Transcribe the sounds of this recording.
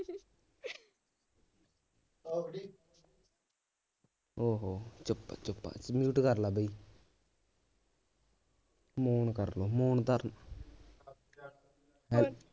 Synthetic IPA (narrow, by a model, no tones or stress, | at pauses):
oːɦoːt͡ʃʊpːa̰t͡ʃʊpːa̰ːsmjuːʈkəɾlaːbəiː | moːnkəɾloːmoːnt̪əɾn | ɦɛl